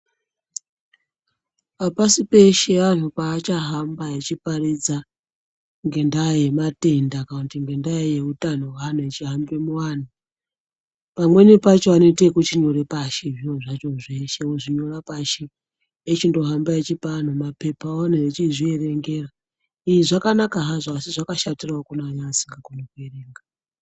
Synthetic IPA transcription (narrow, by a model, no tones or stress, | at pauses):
apasipe̞ʃe̞anopaːt͡ʃaɦambajet͡ʃipaɾid͡za | ŋɡe̞ndajematendakaantiŋɡendaejeutan̤owanaet͡ʃiɦambemuwan̤a | pamwe̞nipat͡ʃoano̞itekut͡ʃiɲoɾepaʃeʐiwoʐat͡ʃoʐʷeʃeuʐiɲorapaʃi | et͡ʃindo̞ɦambaet͡ʃipan̤omapepaoneet͡ʃizieɾeŋɡera | iiʐakanakaɦazaasiʐakaʃatiraokunaːɲaːsiŋɡakonokuereːŋɡa